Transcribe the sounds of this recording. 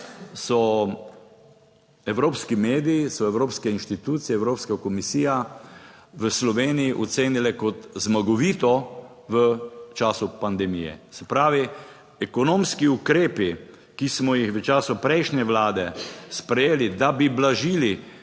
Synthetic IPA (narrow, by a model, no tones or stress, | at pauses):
sɔ | ɛwɾoːpskimeːd̪iisɔɛwɾoːpskɛinʃt̪it̪uːt̪siɛwɾoːpskakɔmisiːja | ʋəslɔʋeːnijiʔɔt̪seːnilɛkɔt̪zmaɡɔʋiːt̪ɔ | ʋət͡ʃaːsupand̪ɛmijɛ̰sɛpɾaːʋi | ɛkɔnoːmskiukɾeːpi | kismɔjixʋət͡ʃaːsʊpɾɛɪʃnɛʋlaːd̪ɛspɾɛjeːlid̪abiblaʒiːli